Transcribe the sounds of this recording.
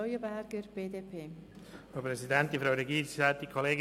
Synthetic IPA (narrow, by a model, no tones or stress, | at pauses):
ɔʏjəbæɾɡ̥əɾb̥eːdeːpʰeː | fopɾɛsidɛnt̚difɾawɾeɡiːɾsisɛt̪̚ikʰoleːɡ